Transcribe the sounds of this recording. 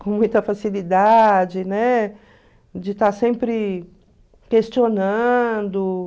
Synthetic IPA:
kõmũj̃t̪ɐfasilid̪ad͡ʒɪnɛ | d͡ʒɪt̪aɾsẽmpɾɪ | kest͡ʃionɐ̃d̪ʊ

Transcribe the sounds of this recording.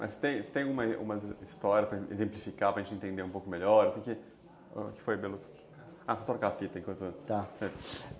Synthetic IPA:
mʔɐ̰sɪ̥t̪ẽj̃sɪ̥t̪ẽj̃aɡũmɐ̰ṵ̃mɐzist̪ɔɾiɐspɾɐḛzẽmplifikapɾɐʒẽnt͡ʃɪẽnt̪ẽnd̪eɾũpowkʊmeʎɔɾosẽkɪ̰ | kɪ̥fojbelu | asot̪oɾkafit̪ɐẽkwɐ̃nt̪ʊt̪asɛ

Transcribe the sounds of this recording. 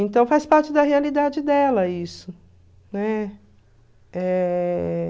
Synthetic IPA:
ẽnt̪ɐ̃w̃fajspaɾt͡ʃɪd̪ɐɦealid̪ad͡ʒɪd̪ɛlɐisʊ | nɛ | ɛ

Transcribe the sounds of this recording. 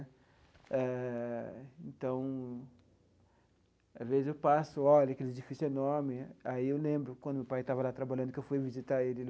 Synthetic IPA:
ɛ | ẽnt̪ɐ̃w̃ | azvezɪzewpasʊɔʎɐkelɪed͡ʒifisenɔɾmɪaiewlẽmbɾʊkwɐ̃d̪ʊmewpajt̪avɐlat̪ɾabaʎɐ̃nd̪ʊkewfujvizit̪aelɪ

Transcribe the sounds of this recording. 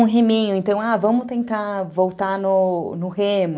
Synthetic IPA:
ɦemĩɲʊẽnt̪ɐ̃w̃avɐ̃mʊt̪ẽnt̪avowt̪anʊnʊhemʊ

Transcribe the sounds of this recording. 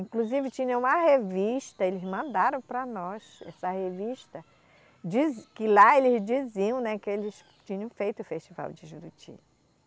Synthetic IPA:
ĩkluzivɪt͡ʃĩɲɐ̃ũmɐheviʃt̪ɐelɪzmɐ̃nd̪aɾɐ̃w̃pɾɐnɔsɛ̰sɐheviʃt̪ɐ | d͡ʒizkɪlaelɪzd͡ʒiziɐ̃w̃nɛkɪelɪs | t͡ʃĩɲɐ̃w̃fejt̪ʊfeʃt͡ʃiva̰wd͡ʒɪʒuɾut͡ʃḭ

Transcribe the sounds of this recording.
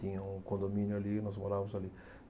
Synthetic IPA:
ĩɲɐũkõnd̪omĩnjʊalinɔzmoɾamʊzali

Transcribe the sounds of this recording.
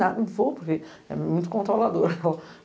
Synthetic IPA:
ad̪nɐ̃vowpoɾkeɛ̰mmũj̃t̪̬ʊkõnt̪ɾolad̪oɾɐɛ

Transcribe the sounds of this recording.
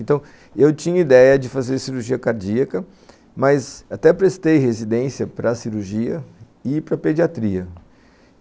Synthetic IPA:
ẽnt̪ɐ̃w̃ | ewt͡ʃĩɲɐid̪ɛjɐd͡ʒɪfazeɾsiɾuɾʒiɐkaɾd͡ʒiɐkɐ | mɐzat̪ɛpɾest̪ejhezid̪ẽsiɐpɾɐsiɾuɾʒiɐ | ɪpɾɐped͡ʒiat̪ɾiɐ

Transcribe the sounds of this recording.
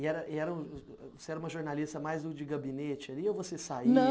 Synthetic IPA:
ɪɛɾɐʔiɛɾɐũ | voseɛɾɐũmɐʒoɾnalist̪ɐmajzd̪ʊd͡ʒɪɡabĩnet͡ʃɪaliowvosesainɐ

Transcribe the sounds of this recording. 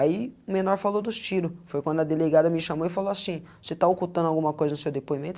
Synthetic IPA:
aiʊmenɔɾfalod̪ʊst͡ʃiɾʊfojkwɐ̃nd̪ʊɐd̪eleɡad̪ɐmɪʃamoɪfaloasĩ | oset̪aokut̪ɐ̃nd̪ʊawɡũmɐkojzɐnʊsewd̪epoimẽnt̪

